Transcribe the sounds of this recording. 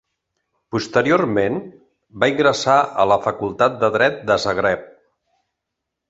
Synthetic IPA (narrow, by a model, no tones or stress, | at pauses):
pust̪əɾioɾmen | baiŋɡɾəsaə̰ləfəkulˠt̪at̪̚d̪əðɾɛt̪̚d̪əzəɣɾɛp̚